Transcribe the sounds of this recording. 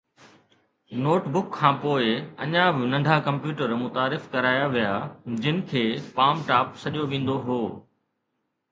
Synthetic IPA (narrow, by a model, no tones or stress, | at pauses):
noːʈbʊkʰːãːpoːɪɐ̰ɲãbɪnɐ̃ɳɖʱakɐ̃mpjuːʈəɾmʊt̪aːɾɪfkɐɾaːjaʋijaːd͡ʑɪnɪ̆kʰeːpaːmʈaːpsɐʄoʋĩːn̆d̪oɦoː